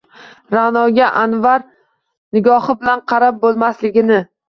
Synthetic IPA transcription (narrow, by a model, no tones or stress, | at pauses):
ɾanɒɡʲaʔanvaɾ | nɪɡɒhɪbɪlanqʰɑɾap̚bolˠmaslɪɡʲɪnɪ